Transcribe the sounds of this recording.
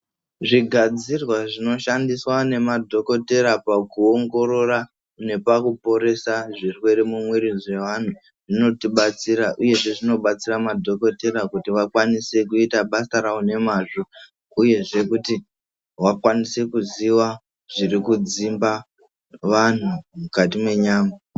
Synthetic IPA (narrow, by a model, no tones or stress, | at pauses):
ʐiɡʱad͡zirwaʐino̞ʃandiswane̞madʱo̞ko̞te̞ɾapakuoŋɡo̞ɾo̞ra | ne̞pakupo̞ɾe̞saʐirwe̞ɾemumweɾize̞ʋan̤u | ʐino̞tiɓat͡siɾaʔuje̞ʐe̞ʐino̞ɓat͡siramadʱo̞ko̞te̞ɾakutiʋakwanise̞kuitaɓasaɾaune̞maːʐo | uje̞ʐe̞kuti | wakwanise̞kuziwa | ʐirikud͡zimba | ʋan̤umukatimwe̞ɲaːma